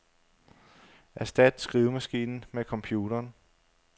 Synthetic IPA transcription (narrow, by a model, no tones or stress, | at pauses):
ʔæɐsd̥æd̥sɡ̥ʁiːʊmæsɡ̥ḭːnn̩mekʰɒ̽mpʰjuːɾ̥ɐːn